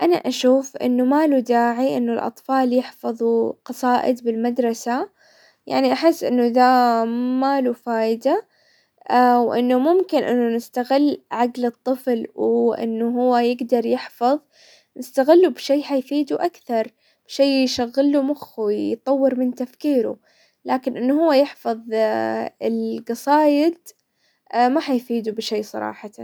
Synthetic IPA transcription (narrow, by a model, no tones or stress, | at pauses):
ʔana̰ʔaʃuːfʔɪ̰nːumaːlud̪aːʕiʔɪnːʊlʔɑ̰t̪ˤfɑːljɪħfɑðˤuqɑsˤɑːʔɪ̰d̪bɪlmad̪ɾˤɑsa | ja̰ʕniʔaħɪsːʔɪnːud̪amaːlufaːʔɪd̪a | wʔɪ̰nːumʊmkɪnʔɪ̰nːʊnɪst̪aɣɪlːʕaɡlɨt̪ˤːɨflwʔɪ̰nːuɦʊwːajɪɡd̪ɑɾˤjɪħfɑðˤ | nɪst̪aɣɪlːubʃeːħajfiːd̪uʔakθɑɾˤ | b̥ʃeːjʃaɣːɪlːumʊxwijt̪ˤɑwːɪɾmɪnt̪afkiːɾṵ | laːkɪnʔɪnːhʊwːajɪħfɑðˤ | ɪlɡɑsˤɑːjɪd̪ | maħajfiːd̪ubʃeːsˤɑ̰ɾˤɑ̰ːħɑ